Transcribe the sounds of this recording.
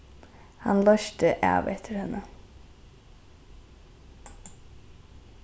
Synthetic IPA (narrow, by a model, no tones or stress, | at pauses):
hɑnlœʃt̪əʔɑ̰ːʋɛt̪ʰəɾhɛnə